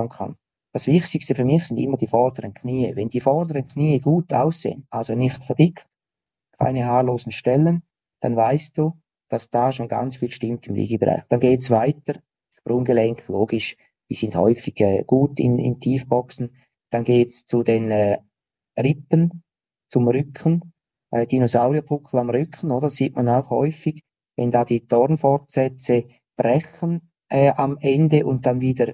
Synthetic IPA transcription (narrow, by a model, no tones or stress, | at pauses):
nkʰa̰n | d̥asv̥ɪχtɪkstəfyːɾmɪxsɪndɪmːəd̥iːfɔɾd̥əɾənkʰniːəvɛndiːfɔʁdəʁənkʰniːəɡuːtaʊsḛːənʔalzonɪxtfɛɐd̥ɪkt | kʰa̰ɪnəhɑːloːsn̩ʃtɛlən | d̥a̰nvaɪst̚d̥uː | d̥asd̥aːʃoːnɡa̰nt͡sfiːlʃtɪmtɪmlḭːɡəbəʁa̰ɪxd̥anɡeːtsvaɪtəɾ | ʃprʊŋɡəlɛŋktloːɡɪʃ | disɪndthɔ̰ʏfɪɡ̥ɛːɡ̥uːtɪ̰nɪ̰ntʰiːfb̥ɔksn̩ | d̥anɡeːtst͡sudenɛː | rɪpən | t͡sʊmrʏkʰən | ʔɛd̥inosaʊʁiapʰʊkʰl̩amʁʏkʰən̩oːdəɾsiːt̚manaʊxhɔʏfɪɡ̥ | vɛndaːdiːd̥ɔɾnfɔɾtsɛt͡sə | b̥rɛxən | ʔɛːʔamɛndəʔʊnt̚d̥anviːdəɾ